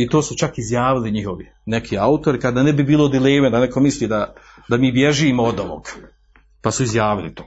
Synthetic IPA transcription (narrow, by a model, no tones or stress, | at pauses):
it̪oːsut͡ʃakizjaːʋiliɲiɦo̞ʋi | ne̞kʰiːaut̪o̞ɾikad̪aːnebibiːlˠod̪ileːmed̪anekʰo̞misliːd̪a | d̪amiːbjeʒimood̪oʋo̰ɡ̥ | pasuizjaːʋilḭt̪oː